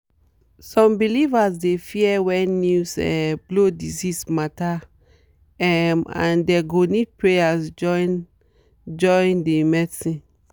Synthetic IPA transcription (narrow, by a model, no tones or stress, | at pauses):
sɔ̃mbilivasdefiɛwɛ̃nusɛ̰blodizismata | ɛmã̰ndɛɡonid̚pɹejasd͡ʒɔn | d͡ʒɔndemɛdsĩ